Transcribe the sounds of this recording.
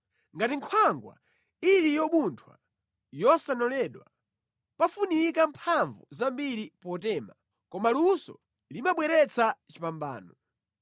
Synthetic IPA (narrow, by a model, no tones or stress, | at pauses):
ŋɡatiŋkʰwaŋɡwa̰ | ilijɔɓuntʰwa | jɔsanɔlɛɗwa | pafunikampʰaɱvuzambiɾipɔtɛːma | kɔmalusɔ̰ | limaɓwɛɾɛt͡sʰat͡ʃipamba̰ːnɔ